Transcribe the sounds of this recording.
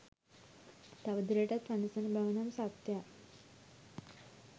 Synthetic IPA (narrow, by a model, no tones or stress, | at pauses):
t̪aʋəd̪ɾeʈat̪ʋanəsənbʱaʋnamsat̪ja